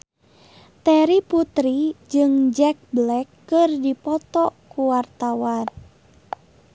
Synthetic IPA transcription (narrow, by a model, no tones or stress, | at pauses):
t̪ɛɾiput̪ɾid͡ʒɨŋd͡ʒɛk̚blɛkːɨrdipɔt̪ɔkuwart̪awan